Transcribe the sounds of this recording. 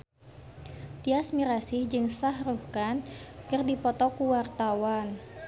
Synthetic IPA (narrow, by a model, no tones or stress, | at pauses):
t̪iasmiɾasɪhd͡ʒɨŋsahruhkankɨrdipɔt̪ɔkuwart̪awan